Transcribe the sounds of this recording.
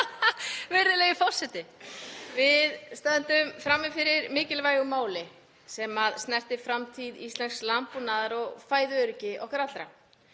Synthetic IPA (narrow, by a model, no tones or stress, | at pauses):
vɛɾðɪlɛjɣɪfɔwr̥sɛt̪ɪvɪðst̪aðɪnt̪ʏmfɾamːɪfɪɾɪɾmɪːcɪlvaːjɣʏmaːwlɪ | sɛmaðst̪nɛr̥t̪ɪfɾamt̪ʰiðist̪lɛnslampunaːðaɾɔɣfaːjðʏœɾʏcɪʔɔhkaɾat̪lɾa̰